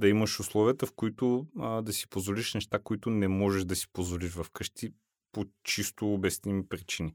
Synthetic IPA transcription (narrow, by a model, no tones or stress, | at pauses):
d̪ɐiməʃʊslˠɔviət̪ɐfkoit̪ʊd̪ɐsi̥pozvoliʃnɛʃt̪akoit̪ʊnɛmɔʒɛʒd̪ɐsi̥pozvoliʃvɐfkɤʃt̪ʰi | pot͡ʃist̪ʊːbɛst̪nimipɾit͡ʃini